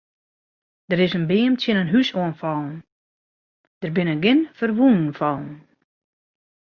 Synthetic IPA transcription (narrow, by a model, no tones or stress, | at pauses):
d̥əɾɪsənbɪəmtʰjənənɦysoənfɔlˠn̩ | d̥ərbɪnəɡɪnfərʋunən̩fɔlˠn̩